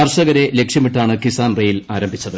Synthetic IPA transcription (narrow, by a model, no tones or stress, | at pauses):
ɐrɕɐɣɐɾe̞le̞kʂjɐmiʈːaːɳɨkisaːnrejilaːɾɐmbʱit͡ɕːɐðɨ